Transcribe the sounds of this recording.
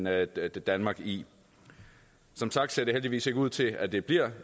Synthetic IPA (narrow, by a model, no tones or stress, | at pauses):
nd̥ænmɑ̈ːɡ̥i | sɒ̽msɑ̈ɡ̥d̥se̝ɐ̰d̥eɦeld̥iʋḭːse̝ɡ̥əuð̰ˠt͡sʰe̝æd̥e̝b̥liɐ̰